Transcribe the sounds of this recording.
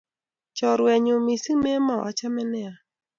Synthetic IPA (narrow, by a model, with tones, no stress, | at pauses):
t͡ʃɔ˨ɾwɛ˨ɲo˨mi˨si˦me˦ma˨ʔa̰˦t͡ʃa˦mɛ˦nɛ˦a˨